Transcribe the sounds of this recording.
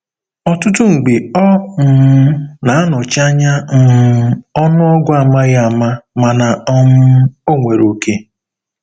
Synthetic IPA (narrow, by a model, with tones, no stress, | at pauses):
ɔ˨tʊ˦tʊ˦ŋ̩˨ɡ͡be˨ɔ˦m̩˨˦na˨a˦nɔ˨t͡ʃa˦ɲa˦m̩˨˦ɔ˦nʊ˦ɔ˦ɡʷʊ˦a˨ma˦ɣa˦˨ma˦ma˨na˨ɔ˦mʊ˦o˦ŋʷe˨ɾo˨ke˦